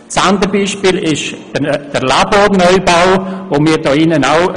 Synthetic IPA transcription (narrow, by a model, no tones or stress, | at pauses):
sand̪əɾbiːʃpiːlɪʃ | d̥əɾlabɔːɾnœʏbawʋomiːɾdɔːɪnənaw